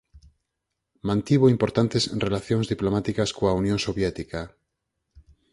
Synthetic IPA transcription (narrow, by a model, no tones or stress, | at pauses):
mãnt̪iβ̞oimpoɾt̪ant̪esrelaθjoŋzðiplomat̪ikaskoaunjõnsoβjet̪ika